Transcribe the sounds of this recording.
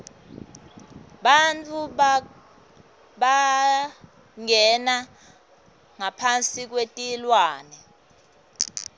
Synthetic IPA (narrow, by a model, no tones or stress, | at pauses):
ɓant͡fʰu | ɓa | ŋɛna | ŋapʰant͡sʼik̬wetʼilwaːnɛ